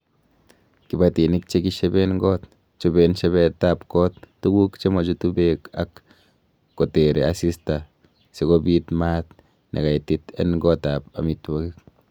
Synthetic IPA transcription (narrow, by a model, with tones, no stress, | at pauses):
ki˨ba˨t̪i˨ni˦k̚t͡ʃe˦ki˦ʃe˦be˦nŋɡo˦t̪ | t͡ʃo˦be˧nʃe˦βe˧t̪a˦pko˦t̪ːu˦ɡu˦kt͡ʃe˦mo˨t͡ʃu˦t̪u˦be˦˨ka̰˦kː | o˨t̪e˨ɾe˨a˦si˦st̪a˨ | se˨ko˦bi˦t̪ma˦t̪ | nʔḛ˨ka˨jt̪i˦t̪ḛ˦nŋɡo˦t̪a˨pa̰˨mi˧t̪wa˦ɡi˦k